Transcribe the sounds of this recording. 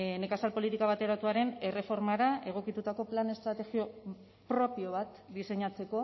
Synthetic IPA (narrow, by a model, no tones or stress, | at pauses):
ne̞kasalpo̞lit̪ikaβat̪e̞ɾat̪uaɾe̞ne̞re̞fo̞ɾmaɾae̞ɣ̞o̞kit̪ut̪ako̞plane̞st̪ɾat̪e̞xio̞ | pɾo̞pio̞β̞at̪ | d̪ise̞ɲat͡se̞ko̞